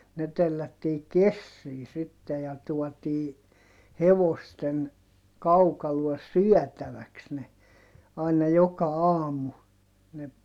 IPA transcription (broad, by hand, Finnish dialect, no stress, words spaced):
ne telːætːiː kesːiː sitːe jɑ tuɔtiː heʋosten kɑukɑluɔs syœˑtæʋæks ne ɑinɑ jokɑ ɑːmˑu ne